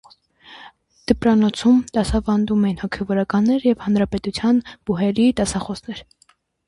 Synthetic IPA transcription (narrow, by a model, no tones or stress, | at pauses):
d̪̥əpɾɑnɔt͡sʰumd̪̥ɑsɑvɑnd̪umɛinhɔkʰɛvɔɾɑkɑnːɛɾjɛvhɑnɾɑpɛt̪ut͡sʰjɑnb̥uɦɛɾid̪ɑsɑχɔsnɛɾ